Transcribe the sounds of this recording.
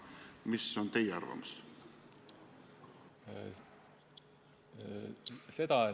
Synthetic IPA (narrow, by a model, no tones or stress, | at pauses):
misːont̪e̞jeɑrvɑ̰mus | se̞d̪̥ɑe